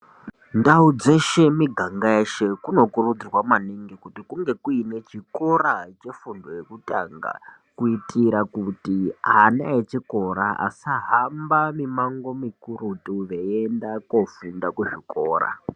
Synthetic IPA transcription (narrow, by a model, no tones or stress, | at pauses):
ndaud͡ze̞ʃe̞miɡʱaŋɡaeʃe̞kuno̞kurud͡zirwamaniŋɡikutikuŋɡe̞kuine̞t͡ʃiko̞ɾat͡ʃe̞fundojekutʼa̰ŋɡa̰ | kuitʰʼiɾakutiɦanaet͡ʃiko̞ɾaa̰saɦambamimaŋɡo̞mikuɾutuʋe̞endakofundakweʐiko̞ːra̰